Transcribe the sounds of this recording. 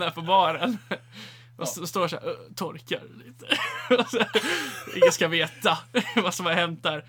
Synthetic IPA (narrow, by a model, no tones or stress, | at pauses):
nafɔɾbɑːɾən | ɔɔst̪oːʂæ̰ːɾɔt̪ʰɔɾka̰ɾliːt̪əɔsɛɪ̰ŋːəskaveːt̪avasɔmhaɾhɛmt̪ːaɾ